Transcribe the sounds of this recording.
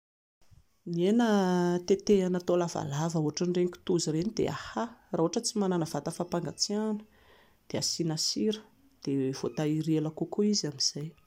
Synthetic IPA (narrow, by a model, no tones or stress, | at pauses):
nienət̪et̪eanat̪olava̰lavəuɦaʈ͡ʂəɳɖ͡ʐeŋkʲi̥t̪uziɾenid̪ḛa̰harauaʈ͡ʂət͡simananəvat̪əfapaŋɡat͡sianə̥ | d̪̥easinasiɾə̥ | d̪̥ev̥ot̪aiɾeləkukoizamiz̥aj